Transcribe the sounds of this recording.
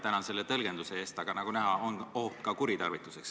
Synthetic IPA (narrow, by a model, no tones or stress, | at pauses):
t̪ænɑnse̞lːet̪ɤlɡ̥e̞nd̪use̞eːst̪ɑɡ̥ɑnɑɡ̥unæɦɑonokːɑkuɾit̪ɑrvit̪ːˑu̥se̞ks